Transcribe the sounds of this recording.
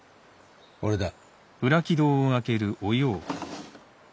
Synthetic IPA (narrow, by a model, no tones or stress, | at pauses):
oɾed̪a | ɯ̟ɾakʲid̪o̞ːoake̞ɾɯ̟ʔojoː